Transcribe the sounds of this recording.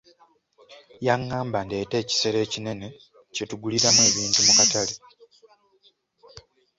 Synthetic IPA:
jaŋːaːmbandete̞ːci̥se̞ɾe̞ːcine̞ne̞ | ce̞tuɡuliɾamue̞ːβiːntumukatale

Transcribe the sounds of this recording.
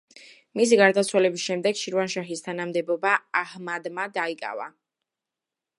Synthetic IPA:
mis̬iɡaɾd̪at̪sʰwalɛbisʃɛmd̪ɛɡʃiɾvanʃaɦist̪ʰanamd̪ɛbɔbaahmad̪mad̪aikʼa̰va̰

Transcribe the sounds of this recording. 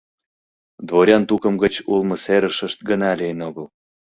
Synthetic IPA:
d̪βoɾʲɑnt̪ukəmɡət͡ɕulmə̆seɾəʃəʃt̪̚ɡənɑlejənoɣəl

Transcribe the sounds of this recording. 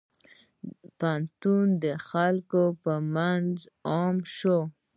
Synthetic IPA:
pant̪und̪əxalkopəmanzɑmʃo

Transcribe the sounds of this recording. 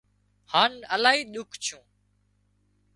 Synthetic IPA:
haːnəlaːɦiːɗʊkʰt͡ʃʰũː

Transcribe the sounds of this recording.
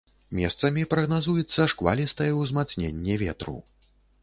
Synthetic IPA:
mʲɛ̰st̪sɐmʲipɾɐɣnazujɛt̪sːɐʂkva̰lʲist̪ɐjɛwzmat̪snʲenʲːɛvʲɛ̰t̪ɾṵ

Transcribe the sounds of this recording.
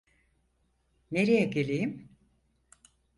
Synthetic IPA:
neɾijɛɟelʲejim

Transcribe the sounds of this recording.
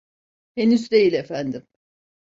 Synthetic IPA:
he̞nyzd̪e̞jilʲe̞fænd̪im

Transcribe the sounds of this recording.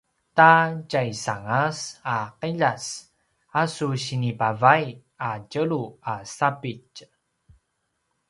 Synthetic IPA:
taɟajsaŋasaqəʎas | asuɕinipavaj | aɟəɭuasapic

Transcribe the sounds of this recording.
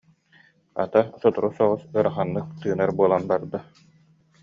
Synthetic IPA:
a̰t̪asɔt̪uɾusɔʁɔsɯɾaχanːɯk̚t̪ɯːnaɾbuɔlˠanbaɾd̪a

